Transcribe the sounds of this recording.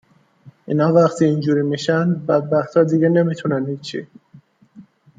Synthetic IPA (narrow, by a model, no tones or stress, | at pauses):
ḭːnhɒːvæχt̪ʰiːiːnd͡ʒuːɾiːmiʃænbæd̪̚bæxt̪ʰhɒːd̪iːɡene̞miːt̪ʰunænhiːt͡ʃʰḭ